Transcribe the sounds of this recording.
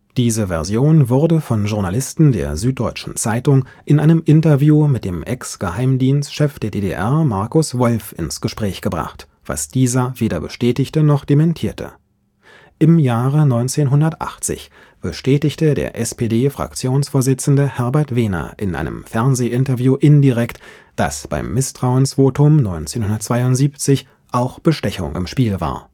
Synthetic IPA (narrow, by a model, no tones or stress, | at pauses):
d̥iːzəvɛɐzjoːnvʊʁdəfɔnʒʊʁnalɪstn̩deːɐzyːt̚d̥ɔʏt͡ʃn̩t͡saɪtʊŋ | ʔɪnʔaɪnəmʔɪntɐvjuːmɪt̚d̥eːmʔɛksɡ̥əhaɪmdiːnstʃɛfd̥eːɐdeːdḛʔɛɐmaɐkʊsv̥ɔlfʔɪ̰nsɡ̥əʃpʁ̥ɛːçɡ̥əbʁa̰χt | v̥a̰sd̥iːzɐveːdɐbəʃtɛːtɪçtənɔχd̥emɛntʰiːɐtʰə̰ | ʔɪmjaːʁənɔʏnt͡seːnɦʊndɐtʔa̰χt͡sɪ̰ç | b̥əʃtɛːtɪçtədḛːɐʔɛspedeːfʁ̥a̰k̚t͡sjoːnsfoːɐzɪt͡sn̩dəhɛɐbɛɐtv̥eːnɐ̰ʔɪnʔa̰ɪnʔə̰mfɛɐnzeːʔɪntɐvjuːʔɪndiʁɛkt | d̥a̰sb̥a̰ɪmːɪstʁ̥aʊənsv̥oːtʊmnɔʏnt͡seːnhʊndɐtt͡sv̥aɪʊntz̥iːpt͡sɪç | ʔaʊxb̥əʃtɛçʊ̰ŋʔɪ̰mʃpiːlva̰ːɐ